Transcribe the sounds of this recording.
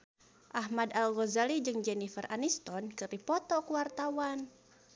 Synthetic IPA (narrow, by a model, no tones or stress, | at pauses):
ʔaɦmadalɣɔzalid͡ʒɨŋd͡ʒɛnifərʔanist̪ɔnkɨɾipɔt̪ɔkuwart̪awan